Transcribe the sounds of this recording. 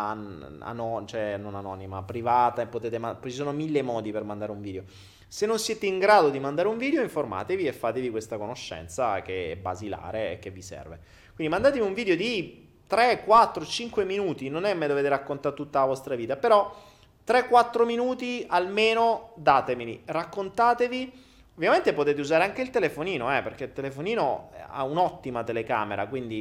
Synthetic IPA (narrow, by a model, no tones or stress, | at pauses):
a̰nɔt͡ʃoɛnːonanɔːnima̰pɾivaːt̪aepːot̪eːt̪emapɔt͡ʃisoːnomilːemɔːd̪ipermand̪aːɾeuɱviːd̪eo | senːonsjɛːt̪eiŋɡɾaːd̪od̪imand̪aːɾeuɱviːd̪eoiɱforma̰ːt̪eviefːaːt̪evikwest̪akonoʃːɛ̰nt̪sakeɛ̰ba̰zila̰ːɾeḛk̟ːevːisɛ̰rve | kwind̪imand̪aːt̪eviuɱviːd̪eod̪i | t̪ɾekːwat̪ːɾot͡ʃiŋkweminuːt̪inonɛmːed̪oveːt̪eɾakːont̪at̪ːut̪ːalavɔst̪ɾaviːt̪apeɾɔ | t̪ɾekːwat̪ːɾominuːt̪ialmeːnod̪aːt̪emilirakːont̪aːt̪evi | ovːjament̪epot̪eːt̪̬euzaːɾeaŋk̟eilt̪elefoniːnoɛperk̟eilt̪elefoniːno̰a̰unɔt̪ːimat̪eleka̰ːmeɾa̰kwind̪i